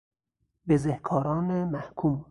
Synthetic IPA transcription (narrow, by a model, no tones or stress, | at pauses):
bezehkʰɒːɾɒːnemæhkʰuːm